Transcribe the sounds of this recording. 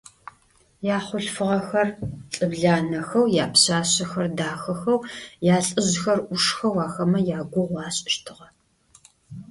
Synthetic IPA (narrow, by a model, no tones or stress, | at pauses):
jaːχʷʊɬfɨʁɐxɐrɬʼɨbɮaːnɐxɐwjaːpɕaːɕɐxɐrdaːxɐxɐwjaːɬʼɨʑxɐrʔʊʂxɐwɑːxɐmɐjaːɡʷʊʁʷɑːɕʼɪʃtʰɨʁɐ